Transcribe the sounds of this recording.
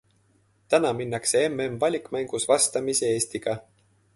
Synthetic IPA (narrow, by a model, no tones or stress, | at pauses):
t̪ænɑminːɑkse̞emːemvɑlʲikmæŋɡ̥usvɑst̪ɑmisee̞ːst̪iɡ̥ɑ